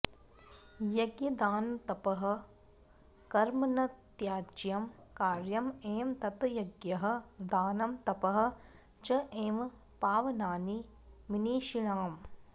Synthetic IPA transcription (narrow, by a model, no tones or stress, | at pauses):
jɐɡjɐd̪aːnt̪ɐpɐɦɐ̆ | kɐɾmɐnɐt̪jaːd͡ʒjɐmkaːɾjɐmeːmt̪ɐt̪jɐɡjɐɦɐ̆d̪aːnɐmt̪ɐpɐɦɐ̆ | d͡ʒɐʔeːm | paːʋɐnaːni | miniːʃiɳaːm